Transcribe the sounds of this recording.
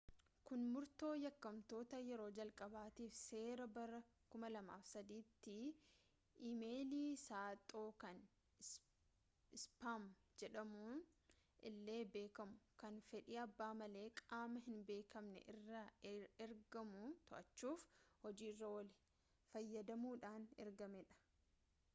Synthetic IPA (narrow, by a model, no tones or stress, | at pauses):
kʊnmʊɾt̪o̞ːjɐkːɐmt̪o̞ːt̪ɐjɛɾo̞ːd͡ʒɐlkʼɐbaːt̪iːfse̞ːɾɐbɐɾɐ | kʊmɐlɐma̰ːfsɐd̪iːt̪ːɪ | ʔimeːliːsaːt̪ʼːo̞ːkɐn | ɪspamd͡ʒɛᶑɐmuːnʔɪlːe̞ːbe̞ːkɐmʊkɐnfɛᶑiːɐbːaːmɐle̞ːkʼaːmɐɦɪnbe̞ːkɐmnɛ̰ʔɪrːɐɛɾɡɐmʊt̪ɔʔɐt͡ʃːuːfhɔd͡ʒiːɪrːɐwɐlɪ | fɐjːɐd̪ɐmuːᶑaːnɛ̰ɾɡɐmɛᶑɐ̥